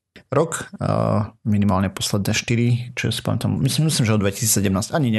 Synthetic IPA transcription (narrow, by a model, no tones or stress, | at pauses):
ɾɔk | minimaːlɲɛpɔslɛd̪̚nɛʃt̪iɾit͡ʃɔɛ̰si̥pa̰mɛt̪a̰mmimisliːmʒɛɔd̪d̪ʋɛcisiːt͡ssɛɟɛmnaːscaɲiɲɛ